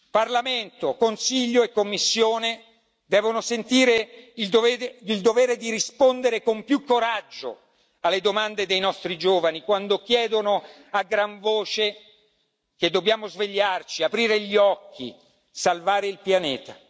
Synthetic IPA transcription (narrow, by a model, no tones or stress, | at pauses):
parlament̪okonsiʎːoekːomːisːjoːne | d̪ɛːvonosent̪iːɾeild̪oveild̪oveːɾed̪iɾispond̪eɾekompjukːoɾad͡ʒːo̰ | alːed̪omand̪ed̪ejnɔst̪ɾid͡ʒoːvanikwand̪ok̟jɛːd̪ono | aɡɾaɱvoːt͡ʃe | ked̪ːobjaːmozveʎːart͡ʃiapɾiːɾeʎiɔkʰːḭ | salvaːɾeilpjaneːt̪a